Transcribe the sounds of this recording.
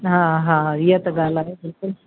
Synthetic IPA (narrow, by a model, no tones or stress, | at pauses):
ɦãɦãɾijət̪əɡalaɦebɪlkʊl